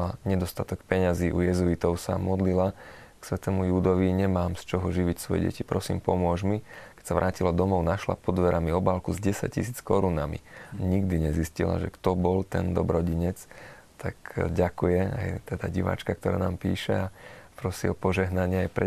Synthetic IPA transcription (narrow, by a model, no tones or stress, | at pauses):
laɲɛd̪ɔst̪at̪ɔkpɛɲaziːʔujɛzuit̪ɔʊsa̰mɔd̪lila | ksʋɛt̪ɛːmujuːd̪ɔʋiɲɛmaːmst͡ʃɔɦɔʒiʋicsʋɔjɛ̰ɟɛ̰cipɾɔsḭːmpɔmʊɔʒmikɛ̥csaʋɾʔaːcilɔd̪ɔmɔʊnaʃla̰pɔd̪ʋɛɾamiɔbalkuzɟɛsa̰c̚cḭsiːt͡skɔɾunamḭaɲiɡd̪iɲɛziscila̰ʒɛ̰kt̪ɔbɔlt̪ɛ̰nd̪ɔ̰bɾɔɟiɲɛt͡s | t̪akɟakujɛa̰jt̪ɛd̪a̰ɟiʋa̰ːt͡ʃkak̚t̪ɔɾa̰ːnaːmpḭːʃɛapɾɔsiɔpɔʒɛɦnaɲɪɛajpɾɛ